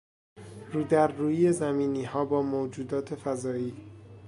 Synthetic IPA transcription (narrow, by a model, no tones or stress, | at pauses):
ɾuːd̪æɾːuːjiezæmiːniːɦɒːbɒːmod͡ʒuːd̪ɒːt̪ʰe̞fæzɒːiː